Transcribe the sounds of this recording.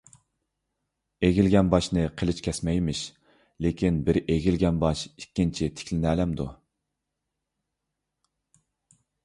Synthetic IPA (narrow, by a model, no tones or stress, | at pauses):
eɡʲilɡʲɛnbɑʃnɨqʰəlˠɪt͡ʃkʲʰɛsmɛjmɪʃ | lekʲinbɪɾeɡʲilɡʲɛnbɑʃikʲːint͡ʃʰit̪ʰɪ̥kʲʰlɪnæːlɛmd̪ṵ